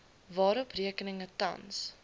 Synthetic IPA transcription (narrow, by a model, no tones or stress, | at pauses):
vɑːɾɔpriəkənəŋətɐ̰ns